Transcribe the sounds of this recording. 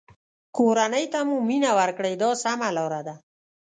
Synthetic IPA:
koɾanəjt̪amuminawaɾkɽəjd̪ɔsamalɔɾad̪a

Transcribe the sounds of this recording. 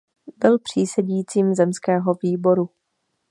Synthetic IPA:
bɪlpr̝̥iːsɛɟiːt͡siːmzɛmskɛːɦo̞viːbo̞ɾu

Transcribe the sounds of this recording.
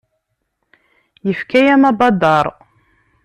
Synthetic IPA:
jəfkæjæmɑbɑd̪ːɑɾˤ

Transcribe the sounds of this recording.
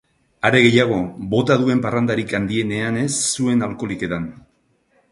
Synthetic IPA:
aɾe̞ɣe̞jaɣ̞o̞bo̞t̪aðue̞mparand̪aɾikand̪ie̞ne̞ane̞sːue̞nalko̞like̞t̪an

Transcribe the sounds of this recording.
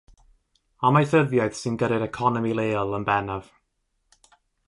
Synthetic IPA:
amajθəðjaɨð̥sɪnɡəɾɛɾɛkʰɔnɔmilˠeːlˠənbɛnav̥

